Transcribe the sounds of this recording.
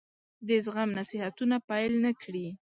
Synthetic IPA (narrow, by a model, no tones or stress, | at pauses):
d̪ɪs̬ɢamnasɪhat̪ʊnapajlnakɽi